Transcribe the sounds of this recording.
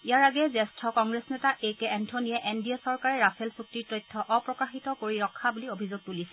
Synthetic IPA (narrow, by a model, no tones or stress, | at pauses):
ijaɹaɡɛzɛstʰɔkɔŋɡɹesnɛtaʔejkɛɛntʰɔnijɛʔendiasɔɹkaɹɛɹapʰɛlsuk̚tiɹtɔjtʰːɔʔɔpɹɔkaxitɔkoɹiɹɔkʰːabuliobʱizoɡ̚tulisɛ